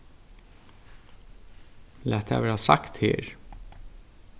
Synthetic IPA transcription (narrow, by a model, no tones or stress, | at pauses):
læːt̪hæ̰ːʋæːɾɑsɑkt̪hḛːɹ